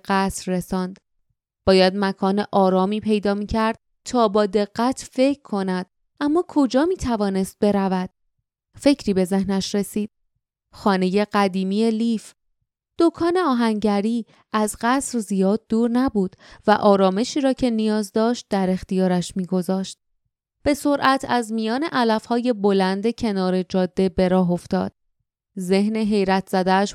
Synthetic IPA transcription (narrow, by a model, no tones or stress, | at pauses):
ɢæsɾːe̞sɒːnd̪̥ | b̥ɒːjæd̪̚mækʰɒːneʔɒːɾɒːmiːpʰe̞jd̪ɒːmiːcʰæɾd̪̥̚ | t̪ʰɒːbɒːd̪e̞ɣ̥ːæt̪ʰfe̞cʰkʰːo̞næd̪̥̚ | ʔæmːɒːkʰo̞d͡ʒɒːmiːt̪ʰævɒːne̞st̪̚be̞ɾævæd̪̥̚ | fe̞cʰɾiːbe̞ze̞hnæʃɾe̞siːd̪̥̚ | xɒːne̞je̞ɢæd̪iːmije̞liːf | d̪̥o̞kʰɒːne̞ɒːɦæŋɟæɾiː | æzɢæsɾzijɒːd̪̚ːuːɾnæbuːd̪̥væ̰ʔɒːɾɒːme̞ʃiːɾɒːcʰe̞nijɒːzd̪ɒːʃt̪̚d̪æɾe̞xt̪ijɒːɾæʃmiːɡo̞zɒːʃt̪̚ | b̥e̞so̞ɾʔæt̪ʰæzmijɒːne̞ʔælæfhɒːje̞bo̞lænd̪ecʰe̞nɒːɾe̞d͡ʒɒːd̪ːe̞be̞ɾɒːɦoft̪ɒ̰ːd̪̥̚ | ze̞ɦne̞ɦe̞jɾæt̪ʰz̥æd̪æːʃ